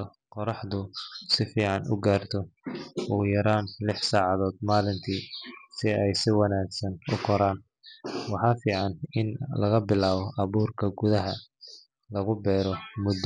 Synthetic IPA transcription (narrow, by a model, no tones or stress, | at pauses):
qɔɾɑħðʊsɪfiːʕɑnʔʊ̰ɡaːrt̪ʰɔʔuːjɐɾaːnlɪħsaːʕɑðɔːd̪̚maːlɪnt̪ʰiːsɪɛjsɪwɑnaːɡsɐnʊkʰɔɾaːn | wɑħɑːfiːʕɑnɪnlɐɣɐbɪlaːβɔʔɑβuːrkʰɐɡʊðɐɦɐ | lɐɣʊbɛːɾɔmʊd̪ː